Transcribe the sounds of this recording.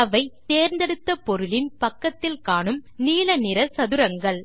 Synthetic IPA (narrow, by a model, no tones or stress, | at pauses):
ɐʋɐɪt̪eːɾnd̪ɐɽɯt̪ːɐpɔɾɯlɪnpɐkːɐt̪ːɪlkaːɳɯmniːlɐnɪɾɐsɐðɯɾɐŋɡɐɭ